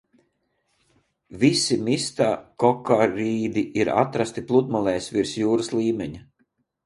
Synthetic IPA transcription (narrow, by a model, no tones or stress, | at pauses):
visimist̪akɔkaɾiːd̪iʔiɾa̰t̪ɾast̪iplˠud̪mɔlˠɛjsviɾsjuːɾaslˠiːmʲɛɲi